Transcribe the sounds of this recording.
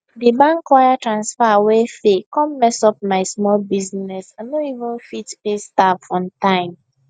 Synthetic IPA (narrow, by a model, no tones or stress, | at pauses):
dibãŋkwajatɹãnsfawesekɔ̃mmɛsɔp̚maɪsmɔlbiznɛsanoivə̃nfitpestaffɔ̃ntãɪ̃m